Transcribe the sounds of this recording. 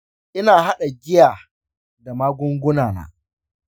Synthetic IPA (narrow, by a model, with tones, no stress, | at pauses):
ʔɪ˦naː˨ha˦ɗa˨ɡʲɪ˦jaː˨ | da˨maː˦ɡʷʊ˦ŋɡʷʊ˦naː˨na̰ː˦